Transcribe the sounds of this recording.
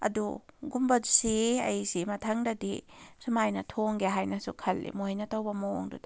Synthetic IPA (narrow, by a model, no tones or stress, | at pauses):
ɐ̰duɡumbɐdusiɐ̰jsimɐtʰɐŋdɐdisumajnɐtʰoŋɡeɦajnɐsukʰɐlːḭmojnɐtɐwbɐmoŋdud